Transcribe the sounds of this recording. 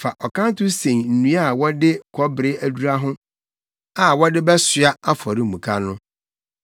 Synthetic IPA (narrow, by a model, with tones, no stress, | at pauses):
fa˨ʔɔ˨kã˦n˦tʰʊ˦sẽ˨ŋn̩˨nũ˦a˦a˨wɔ˦dɪ˦kʰɔ˦bɾɪ˦æ˦du˦ɾa˦ɦʊ̃˦ | a˨wɔ˦dɪ˦bɛ˦sɥa˦a˦fɔ˨ɾɪ˦˨mũ˨kʰa˦nʊ̃˦